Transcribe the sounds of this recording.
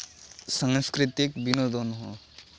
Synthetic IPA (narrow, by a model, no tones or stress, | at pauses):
saŋskɾit̪ikbinod̪ʱɔnɦɔ